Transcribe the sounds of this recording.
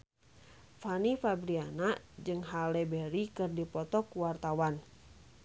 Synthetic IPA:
fanifabɾianad͡ʒɨŋɦalɛbɛɾikɨrdipɔt̪ɔkuwart̪awan

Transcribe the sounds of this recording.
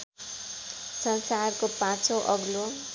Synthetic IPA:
sʌnsarkopãt͡soʔʌɡlo

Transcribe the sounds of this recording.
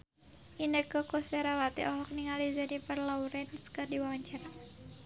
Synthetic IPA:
ʔinəkɔkɔsɛɾawat̪ḭʔɔɦɔk̚niŋalizanipərlauɾɛnskərdiwawaɲt͡ʃaɾa

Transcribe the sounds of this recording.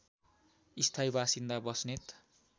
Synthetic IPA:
ist̪ʰajbasind̪abʌsnet̪

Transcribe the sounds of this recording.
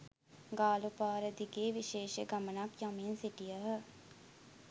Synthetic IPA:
ɡaːlupaːɾəd̪iɡeːʋiʃeːʃəɡɐmənakjaminsiʈijəɦə

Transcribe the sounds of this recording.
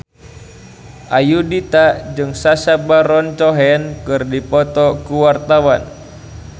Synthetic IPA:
ʔajudit̪ad͡ʒɨŋsasabaɾɔnt͡ʃɔɦɛnkɨrdipɔt̪ɔkuwart̪awan

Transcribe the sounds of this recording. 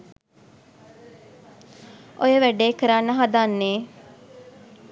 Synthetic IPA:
ʔojəʋæɖeːkəɾanːəɦad̪anːeː

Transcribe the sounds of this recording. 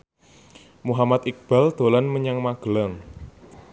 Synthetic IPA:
muɦamat̪ik̚b̥ald̪̥o̤lanməɲaŋmaɡ̥əlaŋ

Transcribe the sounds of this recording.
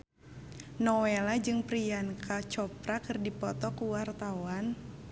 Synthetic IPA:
nɔwelad͡ʒɨŋpɾijankʰat͡ʃɔpɾakɨrdipɔt̪ɔkuwart̪awan

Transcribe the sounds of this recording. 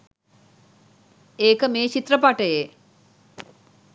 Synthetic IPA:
eːkəmeːt͡ʃit̪rəpaʈəje

